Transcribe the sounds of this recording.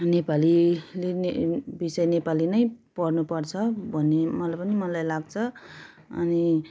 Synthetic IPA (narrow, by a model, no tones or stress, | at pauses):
nepalilenebisʌjnepalinʌjpʌrnupʌrt͡sʰʌbʱʌnːemʌlajpʌnimʌlajlaɡ̚t͡sʰʌ | ʌ̰ni